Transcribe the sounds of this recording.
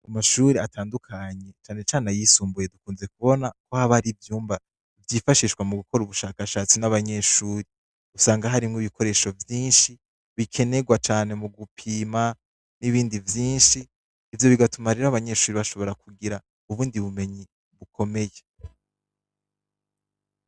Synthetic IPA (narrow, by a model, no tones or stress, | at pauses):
amaʃuːɾiatʰaːndukʰaɲe̞t͡ʃaːne̞t͡ʃaːnajiːsuːmbuje̞dukuːnze̞k̚uβo̞nako̞haβaɾivjuːmba | vjifaʃiʃkwamuɡuko̞ɾuβuʃaːkaʃaːt͡sinaβaɲe̞ʃuːɾi | usaːŋɡaɦaɾimŋiβiko̞ɾe̞ːʃo̞vjiːnʃi | βikʰe̞ne̞ɡwat͡ʃaːne̞muɡupʰiːma | niβiːndivjiːnʃiː | vjo̞βiɡatumaɾe̞ɾaβaɲe̞ʃuːɾiβaʃo̞βo̞ɾakuɡiɾa | uβuːndiβume̞ɲi | βukʰo̞me̞je